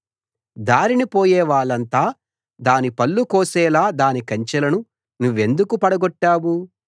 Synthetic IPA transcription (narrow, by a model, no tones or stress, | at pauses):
d̪aːɾinipoːjɛːʋaːɭɐnt̪aː | d̪aːnipɐlːukɔːsɛːlaːd̪aːnikɐɲt͡ʃɐlɐnu | nuʋːe̞nd̪ukupɐɽɐɡɔʈːaːwu